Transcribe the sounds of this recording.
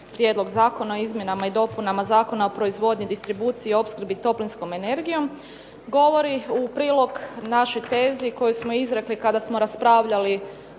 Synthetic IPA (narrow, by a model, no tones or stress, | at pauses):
pɾje̞ːd̪lo̞ɡzaːko̞naoizmjenamaid̪o̞punamazaːko̞nao̞pɾo̞izʋo̞d̪ɲid̪ist̪ɾibuːt̪siio̞pskɾ̩bit̪o̞plinsko̞me̞ne̞ɾɡijo̞m | ɡo̞ʋo̞ɾiupɾiːlˠo̞ɡnaʃojt̪e̞ːziko̞jusmo̞izɾe̞klikad̪asmo̞ɾaspɾaʋʎali